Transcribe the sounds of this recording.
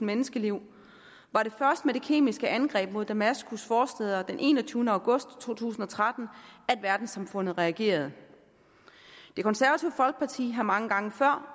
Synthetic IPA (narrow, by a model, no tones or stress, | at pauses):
n̩menəsɡ̥əliʊ̰ | ʋɑ̈ɾ̥e̝fɶɐsd̥əmed̥e̝kʰe̝̰ːmisɡ̥əʔænɡ̥ʁɛ̰ːb̥̚mo̝ð̞̰ˠd̥æmæsɡ̥usfɒːsd̥eðˠɐd̥enʔe̝̰ːnɐt͡sʰyːʊnəæ̈ʊɡ̥ɔ̽sd̥t͡sʰo̝̰ːt͡sʰṵːsn̩ɒ̽t͡sʰʁad̥n̩æd̥ʋæɐd̥n̩sɑ̈mfɔ̽n̰ð̩ˠʁɛæɡ̥e̝̰ːɐð̞ˠ | d̥e̝kʰɒ̽nsæɐʋæt͡sʰiʊfɒ̽lɡ̥əpʰɑ̈t͡sʰḭːɦæmɑ̈ŋəɡ̥ɑ̈ŋəfɶɐ̰